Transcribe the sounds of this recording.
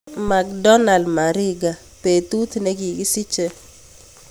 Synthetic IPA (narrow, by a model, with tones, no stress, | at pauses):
ma˨k̚dɔ˦na˨ldma˨ɾɪ˦ɡa˨ | pe˨t̪u˦t̪ne˦ɡi˨ɡi˦si˦t͡ʃe˦